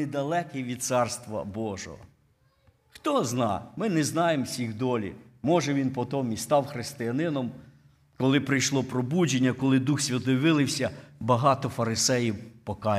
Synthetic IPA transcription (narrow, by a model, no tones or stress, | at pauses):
ed̪ɐlˠɛkɪʋʲid̪̚sɑrst̪ʋɐ̰bɔʒɔ̰ɦɔ̰ | xt̪ɔznɑmɪnɛznɑjemsʲiɣd̪ɔlʲḭmɔʒɛʋʲinpɔt̪ɔmist̪ɑwxɾɪst̪ɪjɐnɪnɔm | kɔlˠɪpɾɪjʃlˠɔpɾɔbud͡ʒenʲːɐkɔlˠɪd̪uxsʲʋʲɐt̪ɔjʋɪlˠɪwsʲɐbɐɦɑt̪ɔfɐɾɪsɛjiwpɔkɑ